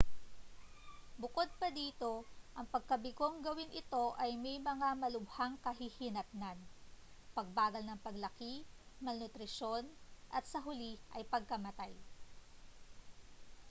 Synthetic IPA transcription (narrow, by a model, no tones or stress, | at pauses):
bʊko̞d̪̚pɐd̪iːt̪o̞ʔɐŋpɐɡ̚kɐbɪkoŋɡɐwɪnʔɪt̪o̞ʔɐjmɛjmɐŋamɐlʊbhaŋkɐɦihɪnɐt̪̚nanpɐɡ̚baːɡɐlnɐŋpɐɡlɐkimɐlnʊt̪ɾɪʃo̞nʔɐt̪̚sɐɦʊliʔɐ̰jpɐɡ̚kɐmɐt̪aj